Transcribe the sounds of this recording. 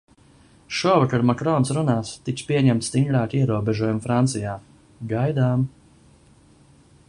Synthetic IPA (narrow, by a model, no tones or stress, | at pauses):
ʃuɔvakaɾmakɾɔnsɾunaːst̪ikspʲiɛɲɛmt̪st̪iŋɡɾaːkʲiɛɾuɔbɛʒɔjumfɾant̪sijaː | ɡajd̪aːm